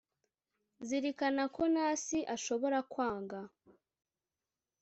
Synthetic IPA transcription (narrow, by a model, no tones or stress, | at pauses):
ziɾikanako̞naːsiʔaʃo̞βo̞ɾakwaːŋɡa